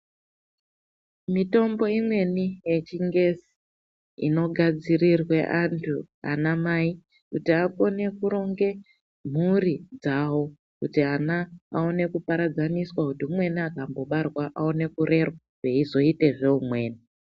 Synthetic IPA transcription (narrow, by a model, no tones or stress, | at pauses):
mito̞mbo̞imwe̞nije̞t͡ʃiŋɡe̞si̥ | ḭno̞ɡʱad͡zirirweʔantʰu | a̰namai | kutiako̞ne̞kuɾo̞ŋɡe̞ | m̤urid͡zawo̞ | kutianaao̞ne̞kupaɾad͡zaniswakutiumwe̞niakambo̞ɓarwaʔaone̞kuɾe̞rwaaʐ̥eizo̞ite̞ʐe̞umwe̞ːni